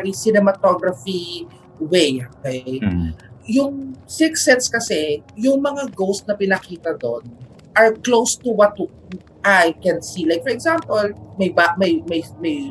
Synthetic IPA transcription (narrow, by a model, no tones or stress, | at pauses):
isɪnɛmɐt̪oɡɹɐfi | wejokɛj | jʊŋsɪksɛt̪skɐsɛjʊŋmɐŋaɡowst̪̚nɐpɪnɐkiːt̪ɐd̪on | ʔɐɹklowst̪uwɐt̪̚ | ʔajkɛ̃nsilajk̚fɔɹɛɡzãmpɔlmɐjbamɐjmɐjmɐj